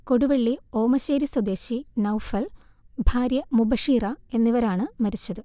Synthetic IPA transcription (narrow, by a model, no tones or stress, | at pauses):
ko̞ɽuʋeɭːio̞ːmɐɕeːɾiswɐd̪e̞ːɕinɐwufɐl | bʱaːɾjɐmubɐʂiːrɐe̞nːiʋɐɾaːɳɨmɐɾit͡ɕːɐðɨ